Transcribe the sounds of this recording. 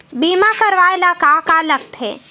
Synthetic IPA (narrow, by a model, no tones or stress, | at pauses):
biːmakəɾʋaelakakalək̚t̪ɦɛ̰ː